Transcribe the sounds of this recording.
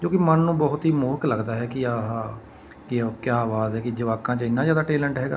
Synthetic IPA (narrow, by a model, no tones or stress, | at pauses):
d͡ʒõːkɪmənːũːbɔːʊt̪ɦiːmʊːkləɡd̪aːɦɛːkɪaɦaː | kɪkjaːʋaːzɦɛːkɪd͡ʒəʋaːkãːt͡ʃəɪnːãːzjaːd̪aːʈeːləɳʈɦɛːɡa̰ː